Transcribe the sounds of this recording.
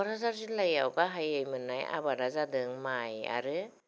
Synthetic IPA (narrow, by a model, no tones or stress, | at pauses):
aɾazaɾzilajawɡaɦajɯjmɯnaja̰βaɾazadɯŋmaja̰ɾɯ